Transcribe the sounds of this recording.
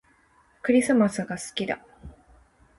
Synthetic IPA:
kɯ̟ɾʲisɨmasɨɡasɨ̥kʲid̪a̰

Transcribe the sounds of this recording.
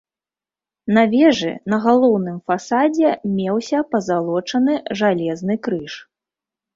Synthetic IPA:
nɐvʲɛʐɨ̰nɐɣalˠɔwnɨmfasad͡zʲɛmʲɛwsʲɐpɐzalˠɔt͡ʂɐnɨʐalʲɛznɨkɾɨʂ

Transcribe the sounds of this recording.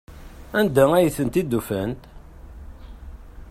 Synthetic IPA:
ænd̪ææjəθənt̪id̪ːufænt̪

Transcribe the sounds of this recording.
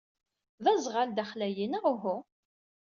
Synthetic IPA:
ðæzʁald̪æχlæjinaʁʊɦʊ

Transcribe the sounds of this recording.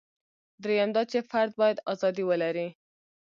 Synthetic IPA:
d̪ɾejand̪ɑt͡ʃefaɾd̪̚bɑjad̪ɑzɑd̪iwəlaɾi

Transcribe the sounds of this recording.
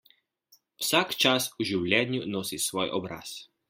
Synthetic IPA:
wsakt͡ʃasuʒiwlʲjɛnjunosisʋɔːjʔɔbɾa̰s

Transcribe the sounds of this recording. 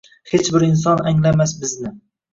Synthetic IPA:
het͡ʃbɪɾɪnsɒnaŋlamasbɪznɪ

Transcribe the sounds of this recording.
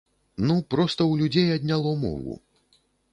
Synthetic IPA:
nupɾɔst̪ɐwlʲud͡zʲejɐd̪ʲnʲalˠɔmɔ̰vṵ

